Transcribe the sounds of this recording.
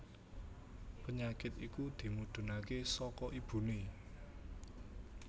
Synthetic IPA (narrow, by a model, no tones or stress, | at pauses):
pəɲakɪt̪ikud̪̥i̤mud̪̥ṳnakesɔkɔʔib̥ṳne